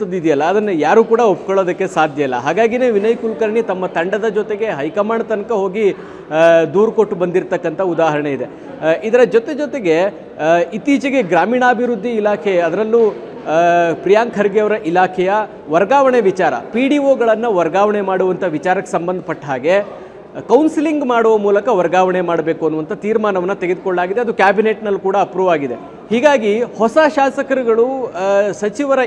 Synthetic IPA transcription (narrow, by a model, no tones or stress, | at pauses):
ɐd̪id̪ijɐlːɐːd̪ɐnːɐjaːɾuːkuːɽɐop̚koɭoːd̪ɐkːe̞saːd̪ʱjɐilːɐ̰ɦaːɡaːɡineːʋinɐjkulkɐɾɳit̪ɐmːɐt̪ɐɳɖɐd̪ɐd͡ʒot̪e̞ɡe̞ɦɐjkɐmaːɳɐt̪ɐnɐkɐɦo̞ːɡi | d̪uːɾkoʈːbɐnd̪iɾt̪ɐkːɐnt̪ʰɐud̪aːɦɐɾɐɳeid̪e̞ | ʔid̪ɐɾɐd͡ʒɔt̪e̞d͡ʒɔt̪e̞ɡe̞ | it̪iːt͡ʃɐɡe̞ɡɾaːmiːɳaːbʱiɾud̪ʱːiːlaːkʰɛɐd̪ɐɾɐlːu | pɾijaːŋkʰɐɾɡjɐʋɐɾɐʔilaːkʰɛjɐ | ʋɐɾɡaːʋɐɳeʋit͡ʃaːɾɐ̰piːɽioːɡɐɭɐnːɐʋɐɾɡaːʋɐɳe̞maːɽuʋɐnt̪ʰɐʋit͡ʃaːɾɐkːesɐmbɐnd̪ʱɐpɐʈːɦaːɡe̞ | kɐwnsiliŋɡmaːɽuʋɐmuːlɐkɐʋɐɾɡaːʋɐɳemaːɽbe̞ːkuɐnːuʋɐnt̪ʰɐt̪iːɾmaːnɐʋɐnːɐt̪eɡe̞d̪ukoɭːaːɡid̪eɐd̪ukjaːbine̞ʈnɐlːukuːɽɐːpɾuːʋaːɡid̪e̞ | hiːɡaːɡihɔsaʃaːsɐkɐɾiɡɐɭusɐt͡ʃiʋɐɾɐ